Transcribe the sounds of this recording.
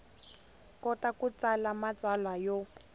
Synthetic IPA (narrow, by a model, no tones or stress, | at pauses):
kɔtakut͡salamat͡swalwajo